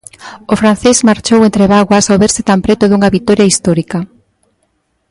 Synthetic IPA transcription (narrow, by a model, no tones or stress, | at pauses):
ofɾan̟θezmaɾt͡ʃowent̪ɾeβaɣwɐsaoβeɾsɪt̪ampɾet̪ʊðuŋɐβit̪ːɔɾjaist̪ɔɾikɐ